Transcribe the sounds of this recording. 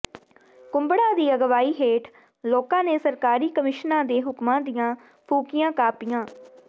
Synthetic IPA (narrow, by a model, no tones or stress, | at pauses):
kʊmbəɽaːd̪iːəɡʋaːiːɦeːʈʰ | loːkãːneːsəɾkaːɾiːkəmɪʃnãːd̪eːɦʊkmãːd̪ɪjãː | pʰuːkɪjãːkaːpɪjãː